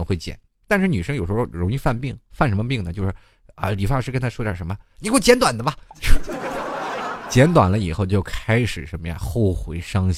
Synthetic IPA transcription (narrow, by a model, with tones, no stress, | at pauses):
xwe˥˩ɪt͡ɕjɛ̰˨˩˦n | t̪a˥˧nʂɻ̩˥˩ny˨˩ʂə˥ŋjo˨˩ʊʂɻo˥˩ʊɻʊ˧˥ŋi˥˧fa˥˧npi˥˩ŋfa˥˩nʂ̬ə˧˥mə˧pi˥˩ŋnə˩t͡ɕjo˥˧ʊʂɻ̩˥˩ | ə̰˧˩li˨˩fa˥ʂɻ̩˥˩kə˥nt̪ʰa˥ʂjɑ˥˩ʂə˧˥mə˧ni˨˩xwe˥˩t͡ɕjɛ˧˥nt̪wa˨˩nd̪ə˦bɐ˧t͡ɕ | t͡ɕjɛ˧˥nt̪wa̰˨˩nlə˦i˨˩xo˥˧ʊt͡ɕjo˥˩ʊkʰa˥ɪʂɻ̩˨˩ʂə˧˥nmə˧ja̰˥˩xo˥˩ʊxwe˧˥ɪʂɑ˥ŋɕ